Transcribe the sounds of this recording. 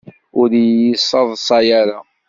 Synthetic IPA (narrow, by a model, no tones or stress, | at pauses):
ʊɾjəsˤːɑðˤsˤɑjaɾa